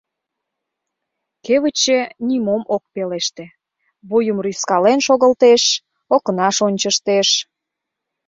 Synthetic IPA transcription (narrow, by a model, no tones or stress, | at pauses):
keβət͡ɕenimomok̚peleʃt̪ĕ | βujəmryskɑlenʃoɣə̆lt̪eʃ | okənɑʃonʲt͡ɕəʃt̪eʃ